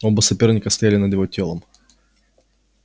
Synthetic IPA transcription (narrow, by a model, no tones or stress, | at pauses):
obəsɐpʲernʲɪkəfst̪ɐjalʲɪnɐd̪jɪvotʲelˠəm